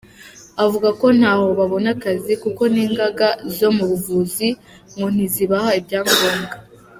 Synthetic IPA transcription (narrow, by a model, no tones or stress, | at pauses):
avuɡako̞n̥haːho̞βaβo̞nakazikuko̞niːŋɡaɡazo̞muβuvuːzi | ŋɡo̞n̥iziβahaibɟaːŋɡoːŋɡa